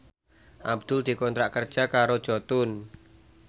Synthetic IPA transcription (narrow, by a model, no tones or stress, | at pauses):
ʔabd̪̥ʊld̪̥i̤kɔnt̪ɾaʔkərd̥ʒ̥a̤kaɾod̥ʒ̥ɔt̪ʊn